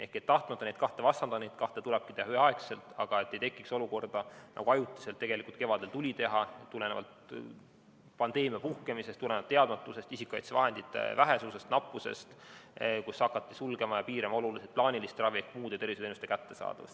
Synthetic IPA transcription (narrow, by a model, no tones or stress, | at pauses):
e̞hke̞t̪ːɑht̪mɑt̪ːɑnejt̪̚kɑht̪e̞vɑst̪ːɑnɑnejd̪̥kɑht̪e̞t̪uleb̥̚ki̥t̪e̞hɑyheɑekse̞lt̪ˑɑɡ̥ɑe̞t̪ːe̞jt̪e̞kːˑikso̞luko̞rd̪̥ɑnʔɑ̰ɡ̥uɑjut̪ːˑi̥selt̪ːe̞ɡe̞likult̪kevɑd̪̥e̞lt̪ulʲit̪e̞ɦɑett̪ːule̞nevɑ̰lt̪ | pɑnd̪̥e̞ːmijɑpuhke̞misest̪uleneɑt̪e̞ɑd̪mɑt̪ːˑuse̞st̪isikːɑjt̪sevɑɦe̞nd̪it̪ːˑḛvæɦe̞suːsest̪nɑpˑːuse̞̰st̪ | kusɑkːɑt̪ːˑisulɡ̥e̞mɑjɑpiːɾemɑo̞luliset̪̚plɑːnilist̪rɑviehkmuːd̪̥et̪e̞rvisenust̪e̞kæt̪ːe̞sɑ̰ːd̪̥ɑ̰vst̪